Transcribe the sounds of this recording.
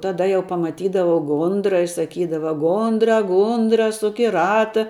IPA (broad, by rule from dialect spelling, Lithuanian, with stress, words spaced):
tɐˈdɐ jɛʊ pɐmɐˈtʲiːdɐʋɐʊ ˈɡʊndrɐ ɪ sɐˈkʲiːdɐʋɐ ˈɡʊndrɐ ˈɡʊndrɐ ˈsʊk ɪ ˈrɑːtɐ